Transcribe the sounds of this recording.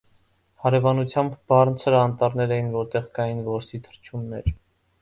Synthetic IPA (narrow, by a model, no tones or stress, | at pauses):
hɑɾɛvɑnut͡sʰjɑmbbɑrnt͡sʰəɾɑnt̪ɑɾnɛɾɛjinvɔɾt̪ɛʁkɑjinvɔɾsit̪ʰə̥ɾt͡ʃʰumnɛɾ